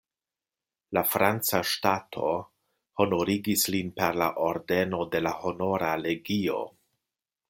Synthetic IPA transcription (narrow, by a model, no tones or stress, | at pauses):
lafɾant͡saʃtatʰo̞ | ho̞no̞ɾiɡislinpe̞ɾlaʔo̞ɾde̞no̞de̞laho̞no̞ɾale̞ɡio̞̰